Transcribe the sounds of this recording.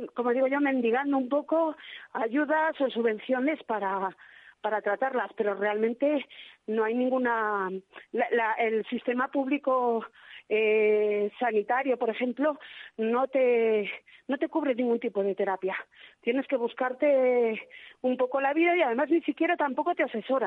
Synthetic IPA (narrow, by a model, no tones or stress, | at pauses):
ko̞mo̞ðiɣo̞ʝo̞mẽ̞nd̪iɣ̞and̪oumpo̞ko̞aʝuðaso̞suβẽ̞n̟θjo̞ne̞spaɾapaɾat̪ɾat̪aɾlaspe̞ɾo̞re̞almẽnt̪e̞no̞ajnĩŋɡuna | llaʔe̞lsist̪e̞mapuβliko̞ | esanit̪aɾjo̞po̞ɾe̞xe̞mplo̞no̞t̪e̞ | no̞t̪e̞kuβɾe̞niŋɡunt̪ipo̞ð̞e̞t̪e̞ɾapjat̪je̞ne̞ske̞β̞uskaɾt̪e̞ | umpo̞ko̞laβ̞iðajað̞e̞maznisikje̞ɾat̪ampo̞ko̞t̪e̞ase̞so̞ɾa